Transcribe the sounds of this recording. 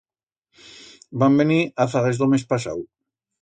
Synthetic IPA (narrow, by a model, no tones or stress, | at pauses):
bambeniaθaɣezðomespasa̰w